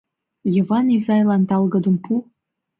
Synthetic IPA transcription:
jovɑnizɑjlɑnt̪ɑlɣəd̪ə̆mpu

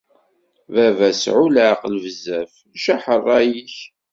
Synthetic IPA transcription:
vævæsʕulaqlvəzæf | ʃæħərˤːɑjiç

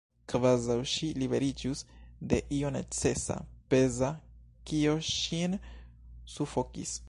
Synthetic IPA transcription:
kvazawʃilibe̞ɾid͡ʒusde̞ʔio̞ne̞̰t͡se̞sa̰pe̞zakio̞ʃin | sufo̞kḭs

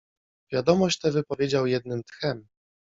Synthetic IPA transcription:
vʲjad̪ɔmɔɕt͡ɕt̪ɛvɘpɔvʲjed͡ʑawjɛd̪nɘmt̪xɛm

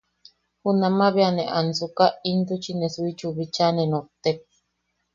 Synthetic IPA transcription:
hunãmaβianeʔansukaind̪ut͡ʃinesuit͡ʃuβit͡ʃanẽnõt̪ek̚

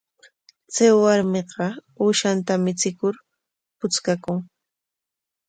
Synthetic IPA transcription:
t͡sajwaɾmeɢɑ | uːʃant̪amɪt͡sɪkʊɾ | pʊt͡skakʊŋ

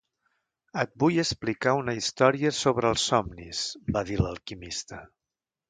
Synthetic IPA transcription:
ət̪̚bujəsplikaunəist̪ɔɾiəsoβɾəːlˠsːɔmnisbaðiləlˠkimist̪ə

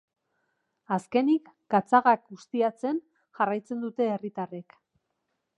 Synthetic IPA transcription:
aske̞nik | ɡ̥at͡saɣak̚ɡust̪iat͡se̞n | ʝarajt͡se̞nd̪ut̪e̞ːrit̪are̞k

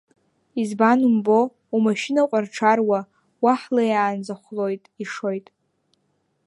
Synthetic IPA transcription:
izbanumbo̞ | umaʃinaqʷʼarʈ͡ʂʰarwa | waħlajaːnzaχʷlo̞jtʼiʂo̞jtʼ

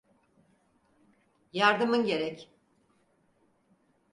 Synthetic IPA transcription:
jaɾd̪ɯmɯnɟe̞ɾɛc

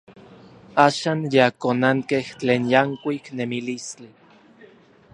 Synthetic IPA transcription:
aːʃaːnjakonaŋkeht͡ɬeːnjaŋkʷiknemilist͡ɬi

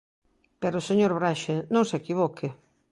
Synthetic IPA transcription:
peɾoseɲoɾβɾaʃenõŋsekiβokʰɪ

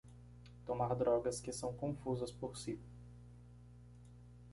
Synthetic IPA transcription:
t̪omaɾd̪ɾɔɡɐskɪsɐ̃w̃kõfuzɐspoɾsi

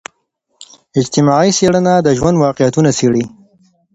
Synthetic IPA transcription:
ɪd͡ʒt̪ɪmɑʕiseɽənad̪əʒwand̪wɑqijat̪unaseɽi

